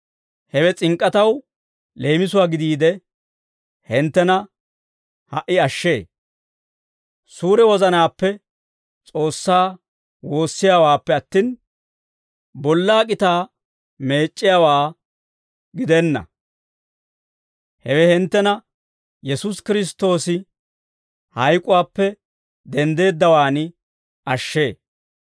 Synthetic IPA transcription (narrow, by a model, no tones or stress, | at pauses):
hɛwɛt͡sʼɪŋkʼːɐt̪ɐw | le̞ːmɪs̬ʊwaːɡɪd̪iːd̪ɛ | hɪnt̪ːɛnɐ | hɐʔːɪɐʃːe̞ː | suːɾɛwɔzɐnaːpːɛ | t͡sʼo̞ːsːaː | wo̞ːsːɪjaːwaːpːɛɐt̪ːin | bɔlːaːkʼɪt̪aː | me̞ːt͡ʃʼːɪjaːwaː | ɡɪd̪ɛnːɐ̰ | hɛwɛhɪnt̪ːɛnɐ | jɛsʊskɪɾɪs̬t̪o̞ːsɪ | hɐjkʼʊwaːpːɛ | d̪ɛnd̪e̞ːd̪ːɐwaːnɪ | ʔɐʃːe̞ː